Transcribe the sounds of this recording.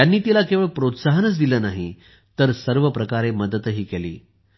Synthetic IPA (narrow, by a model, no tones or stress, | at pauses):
anːiːt̪ilakeʋəɭpɾot̪saɦənət͡sd̪iləːnaɦi | t̪əɾsəɾʋəpɾəkaɾeməd̪ət̪ɦiːkelḭː